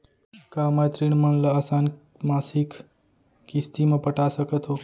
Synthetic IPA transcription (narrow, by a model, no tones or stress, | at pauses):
kamat̪ɾiñmənləaːsaːn | maːsik | kist̪imãpəʈasəkət̪ʰɦoː